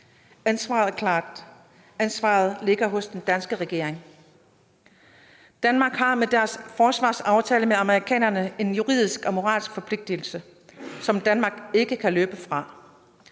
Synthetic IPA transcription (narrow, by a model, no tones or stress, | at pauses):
ænsʋɑ̰̈ːð̩ˠkʰlɑ̰ːd | ænsʋɑ̰̈ːð̞̩ˠle̝ɡ̥ɐɦɔ̽sd̥end̥ænsɡ̥əʁɛɡ̥e̝̰ɐ̰eŋ | d̥ænmɑ̈ːɡ̥ɦɑ̈med̥æɐsfɒːsʋɑ̰̈ːsɑ̈ʊt͡sʰɛːləmeɑ̈məʁikʰɛ̰ːnɐnəe̝njuʁḭð̞̰ˠisɡ̥ɒ̽mo̝ʁɑ̰̈ːlsɡ̥fɒ̽pʰle̝ɡ̥̚d̥il̩sə | sɒ̽md̥ænmɑ̈ːɡ̥e̝ɡ̥əkʰæløːb̥əfʁɑ̈